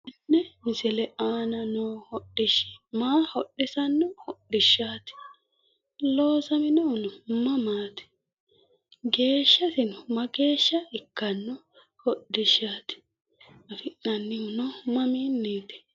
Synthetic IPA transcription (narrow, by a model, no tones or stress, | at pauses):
ʔɪnːɛmɪsɪlɛʔaːnɐnoːhɔɗːɪʃɪ̥maːhɔɗɪsɐnːɔhɔɗːɪʃːaːt̪ɪ̥ | loːsɐmɪnɔʊnʊmɐmaːt̪ɪ̥ | ɡe̞ːʃːɐt̪ɪnʊmɐɡe̞ːʃːɐɪkːɐnːɔ | hɔɗɪʃaːt̪ɪ̥ | ɐfɪʔnɐnːɪhʊnɔmɐmiːnːeːt̪ɪ̥